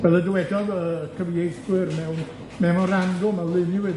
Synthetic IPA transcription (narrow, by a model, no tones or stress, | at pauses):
v̥ɛlˠədəwɛdɔðəkʰəviejswɪrmɛwn | mɛnɔɾanɡʊmɛwlˠɪnɪwɨ